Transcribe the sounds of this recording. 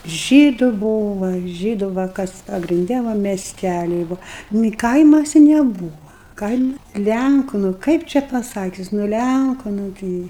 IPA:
ˈʒʲiːdʊ ˈbuːʋɐ ˈʒʲiːdʊ ʋɐ ˈkɐs pɐɡrʲɪnʲˈdʲɛ ˈʋɐ mʲɛsʲˈtʲælʲɪ nʊ ɪ ˈkɐɪmɐsʲɪ nʲɛˈbuːʋɐ ˈkɐɪmɐ ˈlʲæŋkʊ nʊ ˈkɐɪp t͡ʃʲɛ pɐˈsɑːkʲʊs nʊ ˈlʲæŋkʊ nʊ ˈtɨɪ

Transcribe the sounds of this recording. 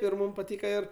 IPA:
ɪr ˈmuːm pɐˈtʲiːkɐ ˈɪr

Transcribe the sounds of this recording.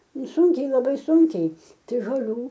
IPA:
ˈnʊ ˈsʊŋʲkʲɛɪ lˠɐˈbɐɪ ˈsʊŋʲkʲɛɪ tɐɪ ʒoːˈlʲuː

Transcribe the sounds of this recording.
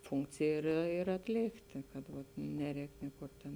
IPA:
ˈfʊŋkt͡sʲeːj ɪr ɪr ɐtʲˈlʲeːktʲeː kɐt ʋɐt ˈnʲæːˌrʲɛːk ˈnʲiɛkʊr ˈtʲeːn

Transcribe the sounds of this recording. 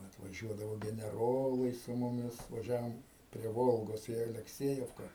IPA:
ɐtʋɐˈʒʲuɔdɐʋoː ɡʲɛnʲɛˈroːlˠɐɪ sʊ mʊˈmʲɪs ʋɐˈʒʲæːʋoːm pʲrʲiɛ ˈʋoːlˠɡoːs iː ɐlʲɛkˈsʲiɛjɛwkɐ

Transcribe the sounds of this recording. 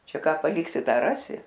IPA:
ˈt͡ʃʲɛ ˈkɑː pɐˈlʲɪksʲɪ ˈtɑː ˈrɑːsʲɪ

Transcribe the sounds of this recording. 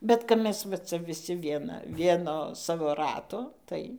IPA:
bʲɛt kɐp ˈmʲɛs ʋɐ ˈt͡sɐ ʋʲɪˈsʲɪ ˈʋʲiɛnɐ ˈʋʲiɛnoː ˈsɑːʋoː ˈrɑːtoː ˈtɐɪ

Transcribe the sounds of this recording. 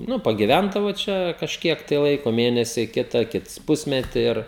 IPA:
ˈnʊ pɐɡʲɪˈʋʲændɐʋoː ˈt͡ʃʲɛ kɐʃʲˈkʲiɛk tɐɪ ˈlˠɐɪkoː ˈmʲeːnʲɛsʲɪ ˈkʲɪtɐ ˈkʲɪts ˈpʊsʲmʲɛtʲiː ˈɪr

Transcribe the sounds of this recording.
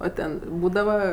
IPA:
oː ˈtʲɛn ˈbuːdɐʋɐ

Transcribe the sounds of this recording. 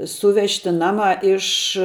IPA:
ˈsuːʋʲɛʃʲtʲɪ ˈnɑːmɑː ˈɪʃ

